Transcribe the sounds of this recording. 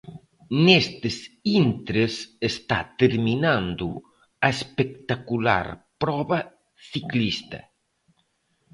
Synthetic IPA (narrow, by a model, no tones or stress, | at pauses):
nest̪ɪsint̪ɾesest̪a̰t̪eɾminãnd̪ʊ | ɐespek̚t̪akula̰ɾpɾɔβɐ | θiklist̪ɐ̰